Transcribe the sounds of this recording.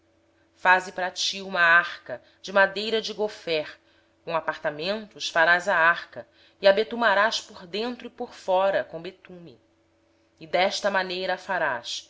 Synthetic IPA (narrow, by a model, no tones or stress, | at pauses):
fazɪpɾɐt͡ʃiũmɐaɾkɐ | d͡ʒɪmad̪ejɾɐd͡ʒɪɡofɛχ | kõapaχt̪amẽnt̪ʊʃfaɾazɐaɾkɐ | iabet̪umaɾaʃpʊɾd̪ẽnt̪ɾʊɪpoɾfɔɾɐkõbet̪ũmi | ɪd̪ɛʃt̪ɐmanejɾɐfaɾaʃ